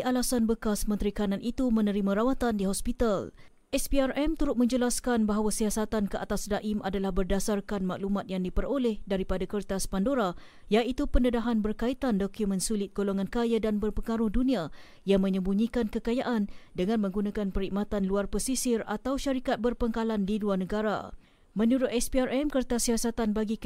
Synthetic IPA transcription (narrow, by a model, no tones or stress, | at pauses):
iʔalasanbəkasmənt̪ɾikanãnʔit̪umə̃nəɾimãɾawat̪andiɦɔspit̪al | ʔɛspiarɛmt̪uɾʊt̪̚mə̃ɲd͡ʒəlaskanbaɦawasiasat̪ankəʔat̪asdaʔimʔadalahbərdasarkanma̰klumat̪̚jaŋdipəɾolɛhdaɾipadakərt̪aspandoɾa | jaʔit̪upəndədaɦanbərkait̪andokumə̃nsulɪt̪̚ɡoloŋãnkajadanbərpəŋaɾʊhdunĩa | jaŋmə̃ɲə̃mbuɲikankəkajaʔandəŋãnmə̃ŋɡunãkanpəɾiʔ̚mat̪anluarpəsisɪra̰t̪awʃaɾikat̪̚bərpəŋkalandiluarnəɡaɾa̰ | mə̃nuɾʊt̪̚ɛspiarʔɛmkərt̪asiasat̪anbaɡi